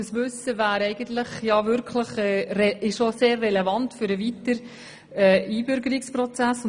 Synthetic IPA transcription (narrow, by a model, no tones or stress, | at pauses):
əsʋʏsəvæːɾɛɪɡ̥ənt̪ləχjɑvʏɾkʰləχɛrɛɪʃʃoseːrːɛlevɑntfʏɾəvitəɾ | ɛːiːbʏɾɡəɾɪksprɔt͡sæs